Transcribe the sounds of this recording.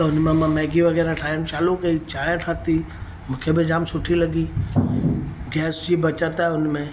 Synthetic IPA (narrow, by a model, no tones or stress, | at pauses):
t̪ɐɦʊnmẽmãmɛːɡiʋɐɡɛːɾãʈʰaːənt͡ʃaːlukəit͡ʃaːə̃ʈʰaːt̪i | mũːkʰebɪd͡ʒaːmsʊʈʰilɐɡi | ɡɛːsd͡ʒiːbɐt͡ʃət̪aːɦʊnmẽ